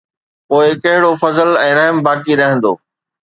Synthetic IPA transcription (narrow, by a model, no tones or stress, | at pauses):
poːɪkɐɦɪɽofɐzəlɛ̃ːɾɐɦəmbaːkiɾɐɦɪ̃nd̪o̰ː